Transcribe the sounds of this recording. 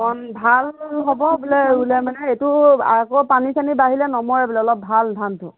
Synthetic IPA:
mɔnbʱalɦɔbɔbulɛɹulɛmanɛetʊakopanisanibaɦilɛnɔmɔɹɛbulɛɔlɔp̚bʱaldʱantʊ̰

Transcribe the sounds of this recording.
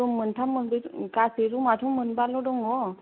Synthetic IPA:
ɔməntʰamənd̪iɾkaseɾumatʰumənbalɔɖɔŋɔ

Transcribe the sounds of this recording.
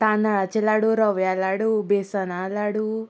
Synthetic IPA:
t̪anaɭat͡ʃilaɽuɾɔʋjalaɽubesanalaɽu

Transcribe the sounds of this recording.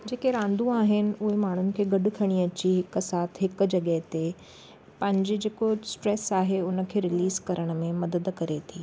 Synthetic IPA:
d͡ʑeːkeɾãːn̆d̪ũaːɦɪnɪ̆ʊɦemaːɳ̤ʊnɪ̆kʰeːɡɐɖkʰɐɽ̃iɐt͡ɕiɦɪksaːt̪ʰɦɪkd͡ʑɐɠəɦt̪e | pɐ̃ɦɪ̃ɲd͡ʑed͡ʑeːkosʈɾesaːɦeʊnə̆kʰeːɾɪliːzkɐɾəɽ̃mẽmɐd̪əd̪kɐɾet̪ʰiː

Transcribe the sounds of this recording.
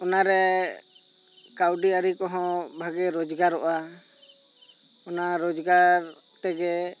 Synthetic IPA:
ɔnaɾɛ | kawɖiaɾikɔɦɔ̃bʱaɡɛɾɔd͡ʒɡaɾɔʔa | ɔnaɾɔd͡ʒɡaɾ | t̪ɛɡɛ

